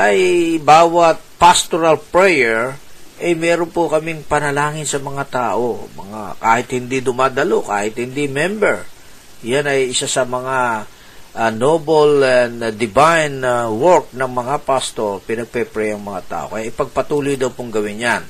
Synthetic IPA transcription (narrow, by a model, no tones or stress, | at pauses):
ʔɐjbaːwɐt̪̚past̪oɾalpɹɛjɛɹʔɐjmɛːɾonpokɐmɪŋpɐnɐlaːŋɪnsɐmɐŋat̪aːʔo̞mɐ̰ŋa̰kaːhɪt̪hɪnd̪id̪ʊmaːd̪ɐloka̰ːhɪt̪̚hɪnd̪imɛmbɛɹ | janɐjʔɪsasɐmɐŋa | ʔnobolɛnd̪ɪbajnwoɹk̚nɐŋmɐŋapast̪oɹpɪnɐɡ̚pɛpɹɛjɐŋmɐŋat̪a̰ːʔo̞kɐjaʔɪjpɐɡ̚pɐt̪uːlojd̪ɐwpoŋɡɐwɪnjan